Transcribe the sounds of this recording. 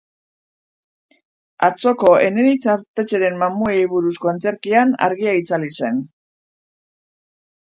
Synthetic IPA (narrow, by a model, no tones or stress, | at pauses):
at͡so̞ko̞e̞ne̞ɾit͡saɾt̪e̞t͡ʃe̞ɾe̞mːamuejβuɾusko̞ent͡se̞ɾkiana̰ɾɣiait͡salise̞n